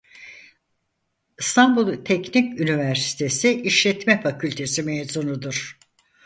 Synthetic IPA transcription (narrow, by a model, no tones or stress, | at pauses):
st̪ʰambulˠt̪ʰɛcnicynivæɾsi̥t̪ʰe̞siʔiʃlʲɛt̪mɛfacʰylʲt̪ʰe̞simezunud̪uɾ̥